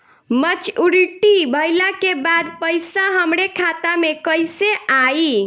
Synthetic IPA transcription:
mət͡ʃuɾiʈibʱəjlakebad̪pəjsaɦəmɾekʰat̪amekəjseai

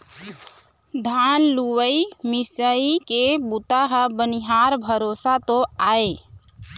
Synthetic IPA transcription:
d̪ʱaːnluwəimɪsəikebut̪aɦəbəniɦaːɾbʱəɾoːsat̪õaːe

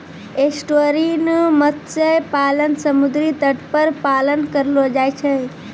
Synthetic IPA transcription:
esʈoɾinmət̪t͡ʃəpaːlənsəmud̪ɾit̪əʈpəɾpalənkəɾlod͡ʒajt͡ʃʰə

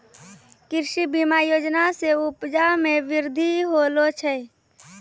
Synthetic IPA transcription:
kɪɾʃibimajoːd͡ʒnaseʊpd͡ʒamẽʋɪɾd̪ʱiɦolot͡ʃʰɛ

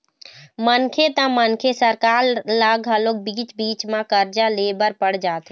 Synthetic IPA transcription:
mənkʰet̪ə̃mənkʰesəɾkaːɾlaɡɦəlok̚biːt͡ʃbiːt͡ʃmãkəɾd͡ʒalebəɾpəɽ̤d͡ʒaːt̪ɦɛ

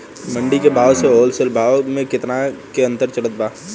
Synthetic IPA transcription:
mə̃ɳɖikebʱaːʋseɦoːlsəlbʱaːʋmẽkɪt̪nakeɐ̃nt̪əɾt͡ʃɐɽət̪̚baː

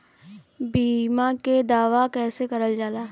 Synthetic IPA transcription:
biːmaked̪aːʋakɛːsekɐɾəld͡ʒaːlaː

